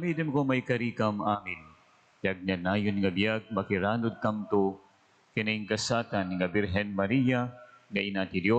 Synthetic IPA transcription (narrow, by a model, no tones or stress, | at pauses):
mid̪ɪnkomajkɐɾiːkamʔaːmɪn | bjaɡ̚nanaːjʊnŋɐbjaɡ̚mɐkɪɾaːnʊd̪̚kamt̪o | kɪnaɪŋkɐsaːt̪anŋabɪɾɦɛnmɐɾijaŋɐʔɪnaːt̪ɪd̪jo